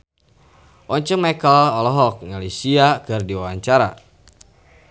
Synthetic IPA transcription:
ʔɔɲt͡ʃəŋmakəlɔlɔɦɔk̚ŋalisiakɨrdiwawaɲt͡ʃaɾa̰

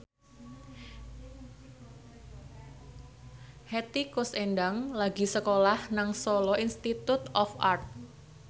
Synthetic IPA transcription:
het̪ikʊsendaŋlaɡi̤səkolahnaŋsolɔinst̪it̪ut̪ɔfart̪̚

